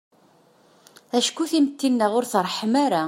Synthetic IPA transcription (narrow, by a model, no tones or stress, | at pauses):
æʃkuθimət̪ʰːinːæʁʊɾθrˤːħəmaɾa